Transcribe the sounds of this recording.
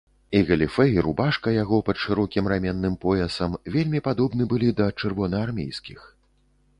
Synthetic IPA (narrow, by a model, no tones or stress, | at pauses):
iɣɐlʲifɛiɾubaʂkɐjaɣɔpɐt̪ʂɨɾɔkʲimramʲɛnːɨmpɔɛsɐmvʲelʲmʲipad̪ɔbnɨbɨlʲid̪ɐt͡ʂɨrvɔnɐːrmʲḛjskʲix